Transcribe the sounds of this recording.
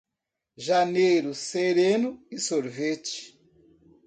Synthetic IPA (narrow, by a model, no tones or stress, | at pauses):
ʒanejɾuseɾenuisoɾvet͡ʃi̥